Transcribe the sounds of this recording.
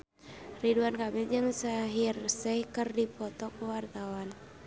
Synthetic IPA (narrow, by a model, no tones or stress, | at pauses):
riduankamɛd͡ʒəŋsaɦirsɛhkɨrdipɔt̪ɔkəwart̪awan